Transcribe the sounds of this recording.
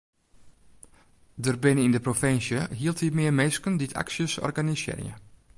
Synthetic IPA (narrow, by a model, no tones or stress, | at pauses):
dərbɪnəindəprofɪnsjəɦiəlˠthimɪərmeskənditʰa̰ksjəsɔ̰rɡanisɪ̰ːrjə̰